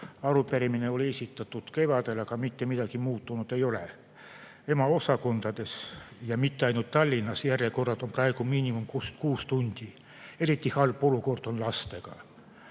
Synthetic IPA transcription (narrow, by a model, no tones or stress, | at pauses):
ɑluperimineolʲiesit̪ːɑt̪ːut̪keʋɑt̪elːɑkɑmit̪ːemit̪ækimuːt̪ːunut̪eijole | emɑosɑkont̪ɑt̪esjɑmit̪ːeɑinut̪t̪ɑlʲːinːɑsjærekorːɑt̪omprɑekumiːnʲimumkuskuːst̪unʲt̪ʲi | erit̪ːihɑlpolukort̪onlɑst̪ekɑ̰